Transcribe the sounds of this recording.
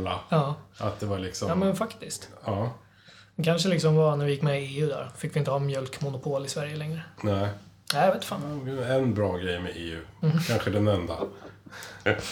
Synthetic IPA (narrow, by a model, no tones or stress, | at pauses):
laɑːʔat̪̚d̪ɛvaɭɪksɔjɑːmɛnfakt̪ɪst̪ɑː | d̪ɛkʰanʂəlɪksɔmvanæɾvɪjɪkːmɛeːʉːd̪æ̰ɾfɪkːvɪɪnt̪əhɑnmjœlkmʊnʊpʰoːlɪsvæɾjəlɛŋɾənæɪ | næːveːt̪ːfa̰ːnɛnbɾɑːɡɾɛjmɛʔeːʉ̟̰ːkʰanɧəd̪ɛnɛnd̪a̰